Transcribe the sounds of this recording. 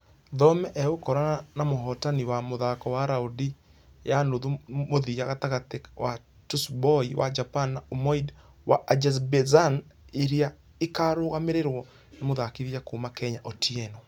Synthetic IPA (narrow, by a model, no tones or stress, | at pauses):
ðɔmɛʔɛɣokɔɾanamoɦɔtaniwamoðakɔwaɾaudi | janoðumoðijaɣataɣatewa | tusbɔiwa̰d͡ʒapanaomɔid | waʔad͡ʒas̬bɛzaneɾia | ekaɾoːɣameɾeɾwɔ | nemoðakiðjakoːmakɛɲaʔotiɛnɔ